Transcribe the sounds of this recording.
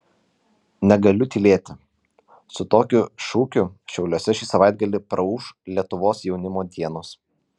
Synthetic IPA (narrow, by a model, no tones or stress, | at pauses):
nʲɛɡɐlʲʊt̪ʲilʲeːt̪ʲɪ | sʊt̪oːkʲʊʃuːkʲʊʃʲɛʊlʲoːsʲɛʃʲiːsɐʋɑˑɪd̪̚ɡɐlʲɪpɾɐuːʃlʲiɛt̪ʊʋoːsjɛʊnʲɪmoːd̪ʲiɛnoːs